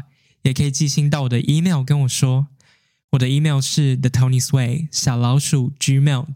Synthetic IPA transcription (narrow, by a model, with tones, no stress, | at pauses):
jɛ˨˩kʰə˧˥i˨˩t͡ɕi˥˩ɕi˧˥ŋt̪ɑ˥˩ʊwɔ˨˩d̪ə̰˦ʔi˥me˥˩ʊkə˥˦nwɔ˨˩ʂwɔ˥ | wɔ˨˩d̪ə˦i˥me˥˩˧ʊʂɻ̩˥˩ðə˨t̪ʰo˥ʊni˧swe˥˩ɪɕjɑ˨˩lɑ˧˥ʊʂu˨˩t͡ʃy˥me˥˩ʊ